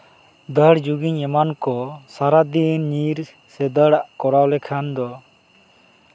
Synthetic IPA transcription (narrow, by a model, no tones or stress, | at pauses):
d̪əɽd͡ʒuɡiɲɛmankɔsaɾad̪inːiɾ | sɛd̪əɽaʔkɔɽawlɛkʰand̪ɔ